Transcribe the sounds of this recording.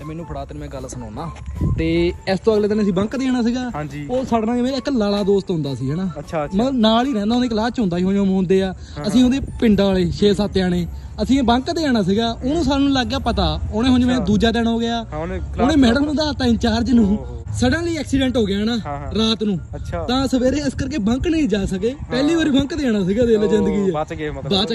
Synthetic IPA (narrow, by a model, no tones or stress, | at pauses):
mɛːnũːpʰɽaːt̪nũmɛ̃ːɡəlsəno̰ːnaːt̪eːɪst̪õːəɡleːt̪ənəsĩːbə̃ŋkd̪eːaːɽ̃aːs̬iːɡaːoːsaːɽnãːeːmeːɪklaːlaːd̪oːst̪ɦʊ̃nd̪aːəsĩːɦɛːnaːmənaːliːɾɛ̃ːnd̪aːnẽːklaːt͡ʃɦʊ̃nd̪aːiːɦõːd͡ʒõːmõːnd̪eːaː | əsĩːoːd̪eːpɪɳɖaːʋaːleːʃeːsaːt̪eːaːɽeː | əsĩːbə̃ŋkd̪eːaːɽ̃aːs̬iːɡaːʔʊːnũːsaːlnũːlaːɡaːpət̪aːoːnẽːɦõd͡ʒmɛ̃ːd̪uːd͡ʒaːd̪ɛːɽooːɡɪjaːoːnẽːmɛːɽəmnũːd̪aːt̪aːɪnt͡ʃaːɾd͡ʒnũː | səɽə̃nliːɛːksiːɖɛ̃ːɳʈɦoːɡɪaːnaː | ɾaːt̪nũː | t̪ãːsəʋeːɾeːɪskəɾkeːbə̃ŋknəĩːd͡ʒaːsəkeːpɛːliːʋaːɾiːbə̃ŋkd̪eːaːɽ̃aːsiːɡaːd̪eːləd͡ʒɪ̃nd̪əɡiːɛːbaː